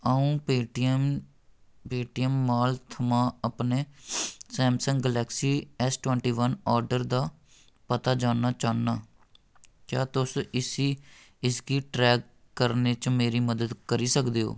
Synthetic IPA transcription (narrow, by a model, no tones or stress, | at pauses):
əũː | peːʈiəmːaːlt̪ʰəmãːəpneːsɛːmsəŋɡɡəlɛːksiːɛsʈʋɛ̃ːɳʈiːʋənɔːɾɖəɾd̪aː | pət̪aːd͡ʒaːnaːt͡ʃaːnaː | kjaːt̪ʊsɪsiː | ɪsɡiːʈɾɛːɡ | kəɾneːt͡ʃmeːɾiːməd̪əd̪kəɾiːsəkd̪eːɦo̰ː